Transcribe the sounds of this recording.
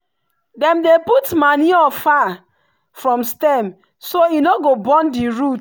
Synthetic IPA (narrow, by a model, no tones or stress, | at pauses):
dɛ̃mdeputmaniɔfa | fɹɔ̃mstɛm | soinoɡobɔ̃ndiɹut